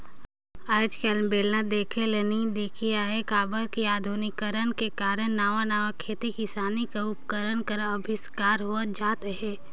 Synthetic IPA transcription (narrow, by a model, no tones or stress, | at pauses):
aːɪd͡ʒkelmbeːlnad̪eːkʰelenid̪eːkʰiaekaːbəɾkiaːd̪ʱunɪkːəɾənkekaːɾənnaːʋanaːʋakʰeːt̪ikɪsaːnikaʊpkəɾənkəɾəbʱɪskaːɾɦoəd͡ʒaːt̪ɦɛː